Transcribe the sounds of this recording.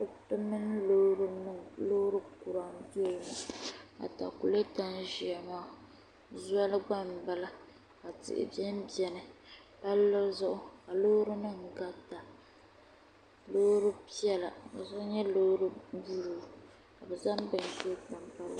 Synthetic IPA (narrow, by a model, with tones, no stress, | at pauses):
bɨ˦tɨ˦mɨ˦n˦lo˦ɾɨ˦nɨ˦ŋ˨˦lo˦hɾɨ˦ku˨ɾa˨m˦do˦˨ma˨a̰˨ta̰˨ku˨le˦ta˦n˦ʒi˨ɛ˨ma˦˨ | zu˦a˦lɨ˦ɡ͡ba˦˨m˨ba˦la˦ | ka˨tɪ̰˨ʔɪ̰˨bɛ˦m˦bjɛ˨nɨ˨ | pa˦lːɔ˦zʊ˦ʔʊ˦ka˨lo˦ɾɨ˦nɨ˦˨ŋɡa˦ta˨ | lo˦ɾɨ˦pi˦ɛ˦la̰˨ba̰˨zɔ˦ɲɛ˦lo˦ɾɨ˦bu˦lu˨ | ka˨bɛ˨za˦mbɨ˨n˨ʒta˨mpa˦l